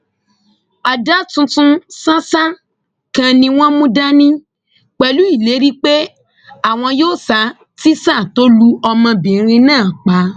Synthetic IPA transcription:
a˨da˦tũ˧tũ˧sã˦sa˦ | kã˧nĩ˧w̃ɔ̃˦mũ˦da˦nĩ˦ | k͡pɛ˨lu˨˦i˦˨le˨˦ɾi˦k͡pe˦ | a˦˨w̃ɔ̃˧joː˦˨sa˨˦ | ti˦sa˦˨to˦lu˦ɔ˧mɔ̃˧bĩ˨˦ɾ̃ĩ˧nãː˦˨k͡pa˨˦

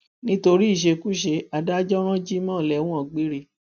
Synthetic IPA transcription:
nĩ˦to˧ɾi˦˨ʃ̬e˧ku˦ʃe˧a˨da˦d͡ʒɔ˦ɾ̃ɔ̃˦d͡ʒi˦mɔ̃ː˦˨lɛ˨w̃ũ˦ɔ̃˨ɡ͡be˦ɾe˧

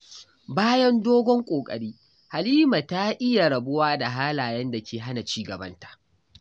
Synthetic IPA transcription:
baː˦jɐ˦ndoː˦ɡʷɔ˦ŋkʷʼoː˨kʼɐ̰˨ɽiː˦ | ha˨liː˦ma˨ta˦ʔɪ˦ja˨ɾɐ˨bʊ˦waː˦da˨ɦaː˦laː˨jɐ˦nda˨kʲeː˨ɦa˦na˨t͡ʃiː˦ɡɐ˨bɐ˦ntḁ˨ʔ

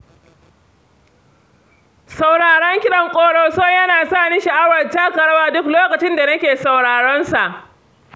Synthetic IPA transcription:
sa˨wɽaː˨ɽɐ˦ŋkʲɪ˦ɗɐ˨ŋkʷʼoː˨ɽoː˨sɔ˦ɲjɐ˦naː˨saː˦˨nɪ˦ʃɐ˨ʔa˦wɐ˨rta˦kɐ˨ɽɐ˦waː˦dʊ˦kloː˦kɐ˨t͡ʃɪ˦nda˨nɐ˦kʲeː˨sa˨wɽaː˨ɽɔ˦nsa˨ʔ

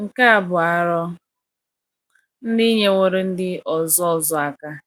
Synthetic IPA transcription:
ŋ̩˨ka˦a˨bʊ˨a˨ɾɔ˦ | n̩˦dɪ˦ɲe˦ŋʷo˦ɾɪ˦n̩˦dɪ˦ʔɔ˨zɔ˦ɔ˦zɔ˨a˨ka˦

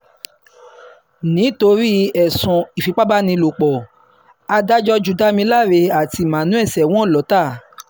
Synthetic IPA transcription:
nĩ˨˦to˧ɾi˦ɛ˨sũ˨i˨fi˨˦k͡pa˦ba˦nĩ˧lo˨k͡pɔ˨ | a˧da˦d͡ʒɔ˦d͡ʒu˨da˦mĩ˧la˦˨ɾe˧a˨ti˧˦˨mã˨nũ˨˦ɛ˦˨sɛ˨w̃ɔ̃˦˨lɔ˨˦ta˦˨

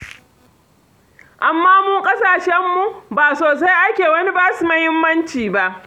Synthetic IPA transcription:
ʔa˨mːaː˦muː˦ŋkʼɐ˦saː˨ʃɛ˦mːu˨baː˨soː˨s̬a˦jʔa˦kʲeː˨wɐ˦ni˦baː˦su˨mɐ˦hɪ˦mːɐ˦nt͡ʃiː˨ba˦ʔ

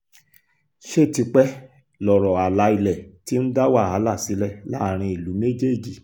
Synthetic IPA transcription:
ʃe˦˨ti˧˦k͡pɛ˦ | lɔ˨ɾɔ˨a˨la˨˧˦i˧lɛ˨ti˦n̩˦da˦wa˦˨ɦa˨˦la˦˨si˨˦lɛ˦la˦˨ɾ̃ĩ˧i˨lu˨˦me˦d͡ʒe˦˨d͡ʒi˨

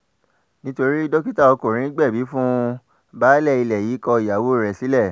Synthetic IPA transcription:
nĩ˦to˧ɾi˦do˦ki˦ta˦˨ɔ˧ko˨ɾ̃ĩ˨˦ɡ͡bɛ˦˨bi˨˦fũ˦ | ba˦lɛ˦˨i˧lɛ˨ji˨˦kɔ˧i˨ja˨wo˦˨ɾɛ˨si˨˦lɛ˦˨

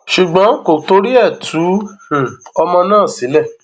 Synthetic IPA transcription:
ʃu˨ɡ͡bɔ̃˨˦ko˨to˧ɾi˦ɛ˦˨tʰũ˨˦˨ | ɔ˧mɔ̃˧nãː˦˨si˨˦lɛ˦˨

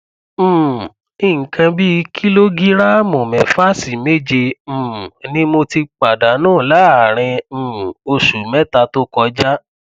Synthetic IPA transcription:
m̩̃˨ | i˦˨ŋ̩˨kã˧bi˦˧kʰi˦lo˦ɡi˦ɾa˦mɔ̃˨mɛ̃˨fa˦˨si˨me˦d͡ʒẽ˧˨ | nĩ˦mo˧ti˧k͡pa˨da˨˦nãː˦˨la˨˦a˨ɾ̃ɛ̃˧˨o˧ʃu˨mɛ˦ta˧to˦kɔ˧d͡ʒa˦

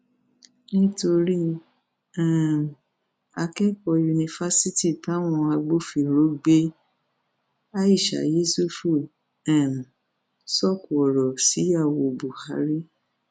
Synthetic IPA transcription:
nĩ˦to˧ɾi˦ | ɛ̃˦˨m˨ | a˧kɛ˦kɔ˧ju˧nĩ˧fa˦si˦ti˦˨tã˨˦w̃ɔ̃˧a˧ɡ͡bo˦fi˨ɾo˨˦ɡ͡be˦ | a˦i˦˨ʃa̰˨je˦su˦fu˦˨ | ɛ̃˦˨m˨ | sɔ˦˨ku˨ɔ˨ɾɔ˨si˨˦ja˦˨wo˧˨bu˨ha˨˦ɾi˦

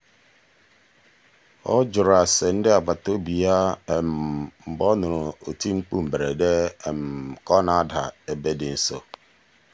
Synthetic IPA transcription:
ɔ̰˦d͡ʒʊ˨ɾa˨sɛ˨n̩˦dɪ˦a˨ba˨to˦bi˨a˦˨mm̩˨bɔ˦nʊ̃˨ɾʊ̃˨o˨tʰĩ˦ŋ͡m̩˦k͡pũ˦˨m̩˨bɾe˨dɛ˦˨m˨kɔ˦nã˦da̰˨e˨be˦dɪ˨n̩˦so̰˨

